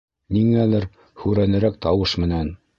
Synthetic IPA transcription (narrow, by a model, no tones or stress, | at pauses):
niŋælɘɾ | hʉɾænɘ̆ɾækt̪ɑwɤʃmɘ̆næn